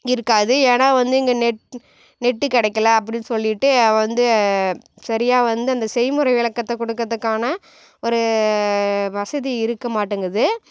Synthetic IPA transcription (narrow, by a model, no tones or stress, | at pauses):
ɪɾɯkːaːðɯeːnaːʋɐnd̪ɯɪŋɡɐnɛʈ | nɛʈːɯkɪɽɐɪkːɐlɐɐp̬ːɐɽɪnːɯsɔlːɪʈːɯʋɐnd̪ɯ | sɐɾɪjaːʋɐnd̪ɯɐnd̪ɐsɛjmɯɾɐɪʋɪɭɐkːɐt̪ːɛkɔɽɯkːɐðɯkːaːnɐ | ɔɾɯ | ʋɐsɐðiɪɾɯkːɐmaːʈːɯŋɡɾɐðɯ